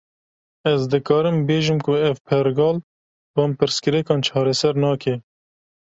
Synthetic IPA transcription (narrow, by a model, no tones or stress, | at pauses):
ɛzd̪ɨkɑːɾɨmbeːʒɨmkʊɛvpʰɛɾɡɑːl | bɑmpɨɾskɨɾɛkɑːnt͡ʃʰɑːɾɛsɛɾnɑːkʰɛ